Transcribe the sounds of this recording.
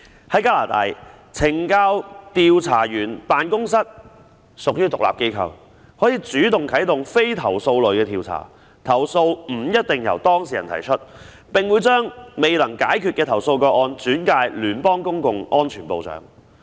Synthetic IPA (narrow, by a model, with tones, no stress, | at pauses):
hɐ˨˥jkaː˥laː˨˩t̪aː˧j | t͡sʰɪ˨˩ŋkaː˥wt̪iː˧wt͡sʰa̰ː˨˩jyː˨˩npaː˨nkʊ˥ŋsɐ˥t̚ | sʊ˨k̚jyː˥t̪ʊ˨kla̰ː˨p̚ke˥jkʰɐ̰˧w | hɔː˨˥jiː˨˧t͡syː˨˥t̪ʊ˨ŋkʰɐ˨˥jt̪ʊ˨ŋfe˥jt̪ʰɐ˨˩wso˧wlɵ˨˩kɛː˧t̪ʰiː˧wt͡sʰa̰ː˨˩ | t̪ʰɐ˨˩wso˧wm̩ː˨˩jɐ˥t̚t̪ɪ˨ŋjɐ̰˨˩wt̪ɔː˥ŋsiː˨jɐ˨˩nt̪ʰɐ˨˩jt͡ʃʰɵ˥t̚ | pɪ˨˩ŋwuː˨˧jt͡ʃœː˥ŋme˨˩jlɐ˨˩ŋkaː˨˥jkʰyː˨t̚kɛː˧t̪ʰɐ˨˩wso˧wkɔː˧ʔɔː˧nt͡syː˨˥nkaː˧jlyː˨˩npɔː˥ŋkʊ˥ŋkʊ˨ŋʔɔː˥nt͡ʃʰyː˨˩npo˧wt͡sœ̰ː˨˥ŋ